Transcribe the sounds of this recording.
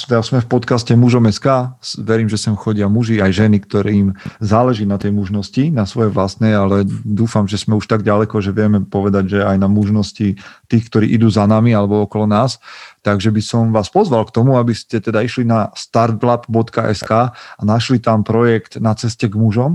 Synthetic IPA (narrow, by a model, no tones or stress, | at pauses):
asmɛfpɔt̪kascɛmuʒɔmɛskaːʋɛɾiːmʒɛsɛmxɔɟɪamuʒiajʒɛnikt̪ɔɾɛimzaːlɛʒiːnat̪ɛjmuʒnɔscinasʋɔjɛʋlast̪nɛalɛd̪uːfamʒɛsmɛuʃt̪aɡɟalɛkɔʒɛʋɪɛmɛpɔʋɛd̪aɟʒɛajnamuʒnɔscit̪iːxkt̪ɔɾḭːʔid̪uːzanamialɛbɔɔkɔlɔnaːst̪aɡʒɛbisɔmʋaːspɔzʋalkt̪ɔmuabiscɛt̪ɛd̪aiʃlinast̪aɾd̪blapbɔt̪kaʔɛskaːanaʃlit̪ampɾɔjɛkt̪nat͡sɛscɛɡmuʒɔm